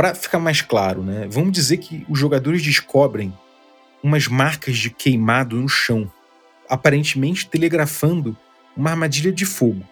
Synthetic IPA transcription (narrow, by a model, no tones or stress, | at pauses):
pɾɐfi̥kamajskla̰ɾʊnɛvɐ̃mʊd͡ʒizeɾkʰɪʊzʒoɡad̪oɾɪzd͡ʒɪʃkʰɔbɾẽj̃ | ũmɐzmaχkɐzd͡ʒɪkʰejmad̪ʊnʊʃɐ̃w̃ | apaɾẽnt͡ʃɪmẽnt͡ʃɪ̥t̪eleɡɾafɐ̃nd̪ʊ | ũmɐaɾmad͡ʒiʎɐd͡ʒɪfoɡʊ